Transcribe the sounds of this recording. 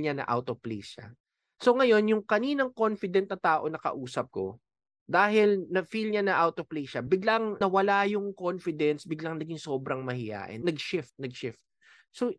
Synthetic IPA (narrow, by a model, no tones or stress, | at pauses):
ɲanɐ̰ʔa̰wt̪oplḭsɐ̰ | so̞ŋɐjo̞njʊŋkɐniːnɐŋko̞nfɪd̪ɛnt̪̚nɐt̪aːʔo̞nɐkɐ̰ʔuːsɐp̚ko̞̰ | d̪aːɦɪlnɐfilɲanɐʔawt̪opliʃɐbɪɡlaŋnɐwɐlajʊŋkonfɪd̪ɛnsbɪɡlɐŋnɐɡɪŋsoːbɾɐŋmɐhɪja̰ːʔɛ̰nɐɡ̚ʃɪft̪̚nɐɡ̚ʃɪft̪̚ | so